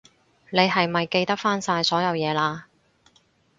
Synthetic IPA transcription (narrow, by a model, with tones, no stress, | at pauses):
ne˨˧jɦɐ˨jmɐ˨jke˧jt̪ɐ˥k̚faː˥nsaː˧jsɔː˨˥jɐ˨˧wjɛː˨˧laː˧